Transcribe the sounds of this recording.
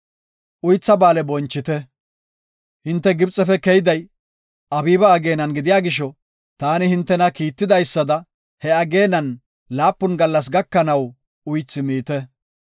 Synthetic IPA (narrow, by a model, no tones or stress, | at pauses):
ʔʊjt͡sːɐbaːlɛbɔnt͡ʃːɪt̪ɛ | hɪnt̪ːɛɡɪbt͡sʼːɛfɛkɛjɪd̪ɐj | ɐbiːbɐːɡe̞ːnɐnɡɪd̪ɪjaːɡɪʃ̬ɔ | t̪aːnɪhɪnt̪ːɛnɐkiːt̪ːɪd̪ɐjsːɐd̪ɐ | hɛɐɡe̞ːnɐn | laːpːʊnɡɐlːɐs̬ɡɐkːɐnɐw | ʊjt͡sːɪmiːt̪ɛ